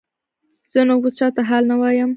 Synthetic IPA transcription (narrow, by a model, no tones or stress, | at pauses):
z̥ənobost͡ʃɑt̪aɦɑlnawɑjəm